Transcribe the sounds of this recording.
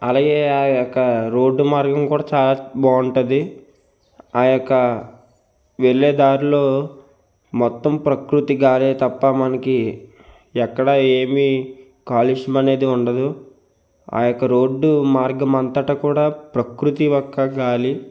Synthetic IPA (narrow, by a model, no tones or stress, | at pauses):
ɐlaːɡe̞ːaːjɔkːɐɾo̞ːɖːumaːɾɡɐmkuːɽaːt͡ʃaːlaːbaːɳʈɐd̪i | aːjɔkːɐ | ʋeɭːeːd̪aːɾuloː | mɔt̪ːɐmpɾɐkɾut̪iɡaːleːt̪ɐpːɐmɐnɐki | ɛkːɐɽɐe̞ːmi | kaːliʂɐmɐne̞ːd̪iuɳɖɐd̪u | a̰ːjɔkːɐɾoːɖːumaːɾɡɐmɐnt̪ɐʈɐkuːɽaːpɾɐkɾut̪iʋɔkːɐɡaːli